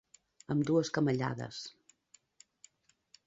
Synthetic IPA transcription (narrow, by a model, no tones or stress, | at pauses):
əmd̪uəskəməʎa̰ðə̰s